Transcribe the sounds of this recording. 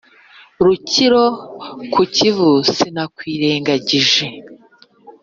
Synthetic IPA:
ɾuciɾo̞kucivusinakwiːɾe̞ːŋɡaɟiʒe̞

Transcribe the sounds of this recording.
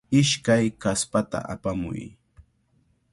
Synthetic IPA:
ɪʃkajkaspat̪a̰ʔapamʊ̰j

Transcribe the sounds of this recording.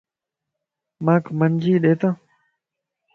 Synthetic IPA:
mãːkʰmənd͡ʒiːɗeːt̪ãː

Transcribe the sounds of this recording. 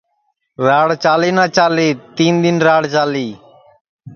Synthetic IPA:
ɾaːɽt͡ʃaːleːnãːt͡ʃaːleːt̪iːnd̪ɪnɾaːɽt͡ʃaːliː

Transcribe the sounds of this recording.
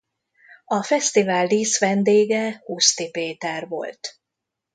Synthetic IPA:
ɒfɛst̪ivaːlːiːsʋɛnd̪eːɡɛhuːst̪ipeːt̪ɛrvo̞̰lt̪

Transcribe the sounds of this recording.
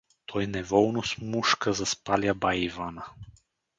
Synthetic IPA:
t̪ʰɔjnɛvɔlˠnosmuʃkazaspalʲabaivana

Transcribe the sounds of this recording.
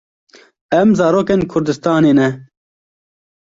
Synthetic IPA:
ɛmzɑːɾoːkeːnkʰʊɾd̪ɨst̪ɑːneːnɛ

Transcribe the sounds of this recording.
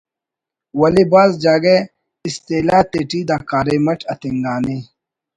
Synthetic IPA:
wɐlibaːzd͡ʑaːɡe | ist̪eːlaːt̪eʈiːd̪aːkaːɾemɐʈʰɐt̪iŋɡaːni

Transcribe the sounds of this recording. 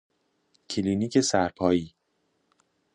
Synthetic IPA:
cʰiliːniːcʰesæɾpʰɒːjiː

